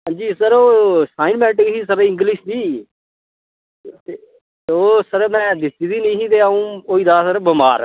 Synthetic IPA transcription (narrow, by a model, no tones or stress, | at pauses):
ɦãːɲd͡ʒiːsəɾoːsaːɪnmɛ̃ːɳʈkɦiːsəɾɪ̃ŋɡlɪʃd̪iː | t̪e | oːsəɾmɛ̃ːd̪ɪst̪iːd̪iːnəĩːsĩːt̪̬eːaũːoːiːd̪aːsəɾbəmaːɾ